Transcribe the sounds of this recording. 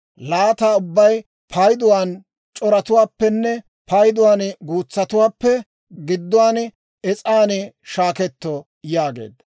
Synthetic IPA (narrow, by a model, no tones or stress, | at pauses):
laːt̪aːʊbːɐj | pʰɐjd̪ʊwaːn | t͡ʃʼɔɾɐt̪ʊwaːpːɛnːɛ | pɐjd̪ʊwaːnɡuːt͡sːɐt̪ʊwaːpːɛ | ɡɪd̪ːʊwaːn | ɛt͡sʼaːn | ʃaːkɛt̪ːɔ | jaːɡe̞̰ːd̪ɐ